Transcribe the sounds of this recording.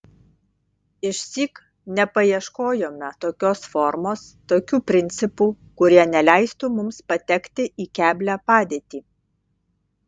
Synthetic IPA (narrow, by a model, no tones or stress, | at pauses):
ɪʃʲsʲiːk | nʲɛpɐiɛʃkoːjoːmʲɛt̪oːkʲoːsfɔɾmoːst̪oːkʲuːpʲɾʲɪnʲt̪sʲɪpuː | kʊɾʲiɛnʲɛlʲæˑɪst̪uːmʊmspɐt̪ʲɛkt̪ʲɪʔiːkʲæːbʲlʲæpɑːd̪ʲeːt̪ʲiː